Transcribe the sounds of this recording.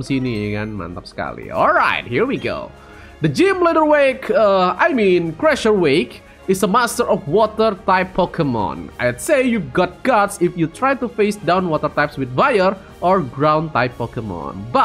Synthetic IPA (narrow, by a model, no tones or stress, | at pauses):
msiniakanmã̰nt̪ap̚sə̥ka̰lḭɔ̰lˠɹa̰ɪt̪̚hiɹwiɡo̰ʊ | d̪əd͡ʒimlɛdəɹwekəajmĩnkɹɛʃəɹwek | ɪsəmast̪əɹɔfwɔt̪ərt̪aɪpʰːɔkɛmɔ̰̃na̰jdsejjuvɡɔt̪̚ɡ̥atsɪfjut̪ɾajt̪ufesdãwnwɔt̪ərt̪ajpswɪt̪̚vajər | ʔɔɹɡɹãw̃nt̪aɪpːɔkemɔ̰nba